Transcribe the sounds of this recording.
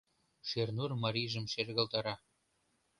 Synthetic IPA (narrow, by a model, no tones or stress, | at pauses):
ʃernurmɑɾʲiʒə̆mʃerɣə̆lt̪ɑɾɑ